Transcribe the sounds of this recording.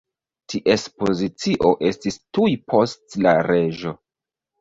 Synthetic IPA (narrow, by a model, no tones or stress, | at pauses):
tʰiʔespo̞zit͡siʔo̞ʔe̞stistujpʰo̞stla̰ɾe̞ʒo̞